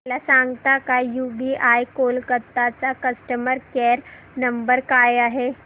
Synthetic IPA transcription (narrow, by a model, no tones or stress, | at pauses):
lasaŋɡt̪akajubiʔajkolkət̪ːat͡sakəsʈəməɾkɛɾ | nəmbəɾkajaɦe